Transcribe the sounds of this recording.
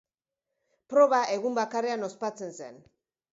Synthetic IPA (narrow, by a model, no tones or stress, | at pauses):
pɾo̞βaʔe̞ɣumbakare̞ano̞spat͡se̞nse̞̰n